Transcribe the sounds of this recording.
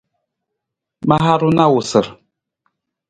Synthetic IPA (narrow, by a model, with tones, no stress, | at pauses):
ma˦ɦa˦ɾu˦na˦wu˨sə˨ɾ